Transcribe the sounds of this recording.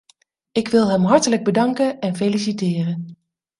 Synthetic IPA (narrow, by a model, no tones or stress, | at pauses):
ɪkʋɪlˠɦɛmɦɑɹtələɡ̚bədɑŋkənɛnfelisitɪːrən